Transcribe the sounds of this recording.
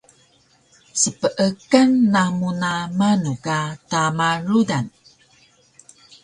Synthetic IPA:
səpəʔəkənːamunamanukatamaɾudan

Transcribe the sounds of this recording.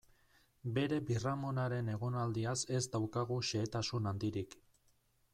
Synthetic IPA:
be̞ɾe̞biramonaɾe̞ne̞ɣ̞o̞nald̪iase̞zd̪awkaɣ̞uʃe̞ːt̪asunand̪iɾik

